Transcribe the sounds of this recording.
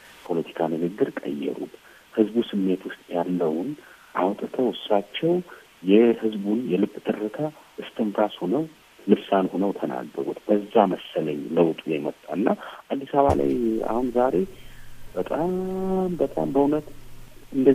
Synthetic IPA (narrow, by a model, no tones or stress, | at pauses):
pʰo̞lət̪ʰi̥kʰanɨɡɨɡːɨɾkʼə̰jːɛ̰ɾṵt̪ | hɨzbusɨmːe̞t̪wʊst̪ʼjalːəwn | ʔawt̪ʼɨt̪ʰəwsɾat͡ʃːɛw | jɛhɨzbunjɛlɨbʼt̪ʰɨrːɨk̪ʰaʔɨst̪ʰɨmfɾashonəw | lɨβsanhonəwt̪ʰəna̰ɡːə̰ɾṵt̪b̥əzːaməsːələɲləwt̪ʼujɛmət̪ʼːaɨnːaʔad̪ːisaβa̰la̰ja̰hunzaɾe̞bət̪ʼambət̪ʼa̰mbəunət̪ɨnd̪ə